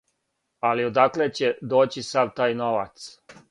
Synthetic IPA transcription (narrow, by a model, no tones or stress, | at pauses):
aliod̪aklet͡ɕed̪o̞ːt͡ɕisad̪t̪aːjnoʋa̰t̪s